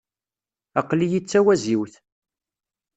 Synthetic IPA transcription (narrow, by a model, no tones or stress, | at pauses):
ɑqlijit͡sːæwæziwθ